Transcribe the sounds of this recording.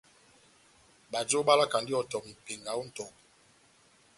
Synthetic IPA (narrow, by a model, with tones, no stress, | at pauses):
ɓa˨d͡ʒo˦ɓa˦la˦ka˨ndi˦ɔ˨tɔ˨m̩˨pe˨ŋɡa˨o˦n̩˦tɔ˨